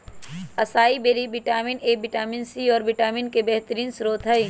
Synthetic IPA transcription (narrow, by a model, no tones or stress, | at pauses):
ɐsaːibeːɾibɪʈaːmineːbɪʈaːminsiɔːɾʋɪʈaːminkebɛɦt̪əɾiːnsʊɾoːt̪ʰɦɐi